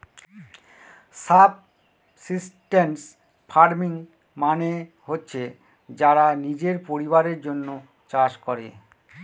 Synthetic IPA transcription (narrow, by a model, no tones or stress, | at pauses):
sab̚ | sisʈens | fʰaɾmiŋ | mane | ɦotːɕʰe | d͡ʑaɾanid͡ʑeɾpoɾiβaɾeɾd͡ʑonːo | t͡ɕaʃkɔɾḛ